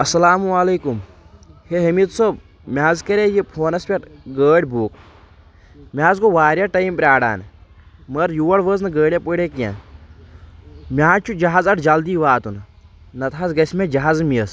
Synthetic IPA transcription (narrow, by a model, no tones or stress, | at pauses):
ɐsɐlaːmuɐleːkum | heɦəmit̪sob | mʲaːzkɐɾʲejepʰoːnɐspʲeʈɡəːɽʲbuːk | mʲaːzkoʋaːɾʲjaʈɐjmpɾʲaːɽa̰ːn | məɾjuːɐɽʋəːznɨɡəːɽʲjapəɽʲeːkja̰n | mʲaːt͡ʃʰud͡ʒɐɦaːzɐʈʰd͡ʒɐld̪iːʋaːt̪unɨ | nɐt̪ʰaːzɡɐsmʲẽd͡ʒɐɦaːzɨmiəs